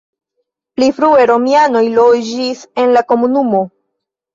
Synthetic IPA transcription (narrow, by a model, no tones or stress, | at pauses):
plifɾueɾo̞miano̞jlod͡ʒise̞nlako̞munumo̞